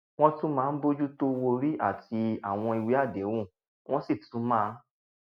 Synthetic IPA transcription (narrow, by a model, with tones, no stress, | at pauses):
w̃ɔ̃˦tũ˦mãː˨˦˧n̩˦bo˦d͡ʒu˦to˦wo˧ɾi˦a̰˦˨ti˧a˨w̃ɔ̃˧i˧wi˨˦a˦˨dɛ˨˦wũ˦˨ | w̃ɔ̃˦si˦˨tũ˨˦mãː˦˧˦